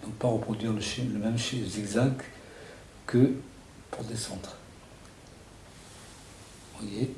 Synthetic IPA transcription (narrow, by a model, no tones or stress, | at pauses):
d̪ɔ̃paʁəpχɔd̪ɥiʁləʃiləmɛmʃizɛɡzak̚t̪ | kə | puʁd̪esɑ̃d̪ʁ | vwaje